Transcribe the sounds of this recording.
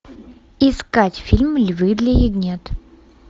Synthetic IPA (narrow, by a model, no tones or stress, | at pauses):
ɪskatʲfʲilʲmlʲvɨd̪lʲɐjiɡnʲet̪